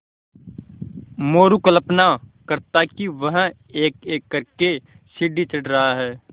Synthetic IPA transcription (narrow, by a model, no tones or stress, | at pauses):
moːɾukələpnakɐɾt̪akiʋɐɦ | eːkeːkːɐɾke | ʃɪɖit͡ʃɐʈɾɐɦaɦɛː